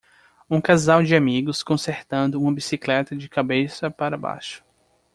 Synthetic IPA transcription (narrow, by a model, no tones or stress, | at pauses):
ũkazawd͡ʒɪamiɡʊskõseɾt̪ɐ̃nd̪ʊũmɐbisiklɛt̪ɐd͡ʒɪkabesɐpaɾɐba̰jʃʊ̥